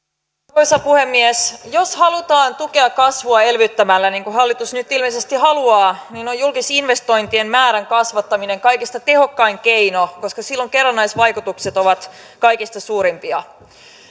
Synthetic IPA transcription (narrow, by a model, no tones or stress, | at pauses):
ojsɑpuhe̞mːiesjoshɑlut̪ɑːnt̪uke̞ɑkkɑsʋuɑelʋyt̪ːæmælːæniːŋkuɦɑlːit̪usnyt̪ːilmeisest̪iɦɑluɑːninojulkisinʋe̞st̪o̞jnt̪ienmæːɾæŋkɑsʋɑt̪ːɑmine̞ŋkɑjkist̪ɑt̪e̞ho̞kːɑiŋkejnoko̞skɑsilːoŋke̞rːɑnːɑjsʋɑjkut̪ukset̪o̞ʋɑt̪ | kɑjkist̪ɑsuːɾimpiɑ